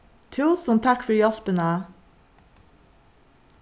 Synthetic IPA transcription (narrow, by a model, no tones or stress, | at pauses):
t̪ʰʉːsɔnt̪ʰɑkfɔɹjɑlpənəæː